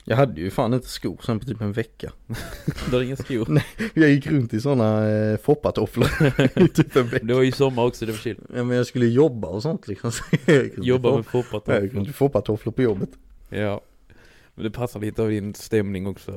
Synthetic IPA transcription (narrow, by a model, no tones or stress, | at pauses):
jʔɑ̰ːɡɦad̪ːəjʉɪfaːnɪnt̪ə̥skṵːɾsɛnpʰɔt̪ʰyːpɛnvɛkːa | d̪ɛaɾɪŋːəskuːɾnɛjɑɡjɪkːɾɵnt̪ɪsɔnːafɔpːat̪ʰɔfləɾt̪ʰyːpɛnvɛd̪ɛvasɔmːaɾɔksɔd̪ɛvaʃɪljaːmɛnjɑskɵlːəjɔbːaɔsɔnt̪ʰlɪksɔmjɪkːɾjɔbːamɛfɔpːat̪ʰɔjajɪkːɾɵnɪfɔpːat̪ʰɔfləɾpɔjɔbːət̪jɑː | mɛnd̪ɛpʰasːaliːt̪əavd̪ɪnst̪ɛmnɪŋɔksɔ